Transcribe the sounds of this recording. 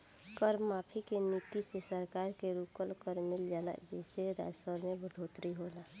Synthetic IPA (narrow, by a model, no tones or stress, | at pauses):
kəɾmmaːpʰikenit̪isesəɾkaːɾkeɾuːkəlkəɾmɪld͡ʒaːla̰d͡ʒɛːseɾa̰ːd͡ʒsəɾmẽbəɖʱoːt̪ɾiɦoːla